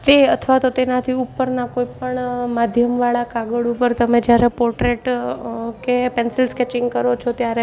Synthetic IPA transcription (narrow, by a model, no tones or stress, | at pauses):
t̪eət̪ʰʋat̪ot̪enat̪ʰiupːəɾnakoipəɳmad̪ʱjəmʋaɭakaɡəɭupəɾt̪əmed͡ʒjaɾɛpɔɾʈɾeʈ | kepensɪlskɛt͡ʃɪ̃ŋɡkəɾot͡ʃʰot̪jaɾe